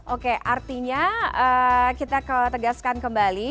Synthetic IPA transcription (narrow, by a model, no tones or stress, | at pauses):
ʔokeʔart̪iɲaəːkit̪akət̪əɡaskankəmbali